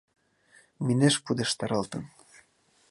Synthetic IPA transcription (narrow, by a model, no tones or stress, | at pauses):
mineʃpud̪eʃt̪ɑɾɤlt̪ɤ̰̆n